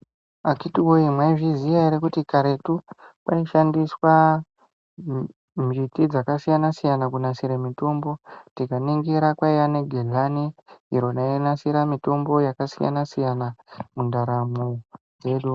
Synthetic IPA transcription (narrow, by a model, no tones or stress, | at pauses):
akitiwoimwaiʐizijaiɾekutikaɾe̞tupaiʃandiswa | mitid͡zakasijanasijanakunasiɾemito̞mbo̞tikaniŋɡiɾakwaijane̞ɡʱeɮaniiɾo̞nainasiɾamito̞mbo̞jakasija̰nasijanamundaɾamo | d͡ze̞ɗu